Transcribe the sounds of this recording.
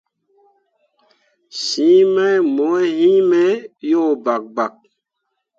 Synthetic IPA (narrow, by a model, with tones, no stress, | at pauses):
sĩ˦mɛ˦jmo˨˦e˦hĩ˦me˦jo˦˨ba˨k̚ba˨k̚